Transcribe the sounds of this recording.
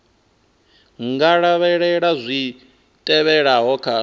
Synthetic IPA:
ŋɡaɺaβɛɺɛɺazʷi | tʼɛβɛɺaɦɔkʰa

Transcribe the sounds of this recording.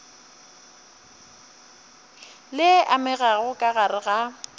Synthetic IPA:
lɪʔamɪɣaɣʊkʼaɣaɾɪɣa

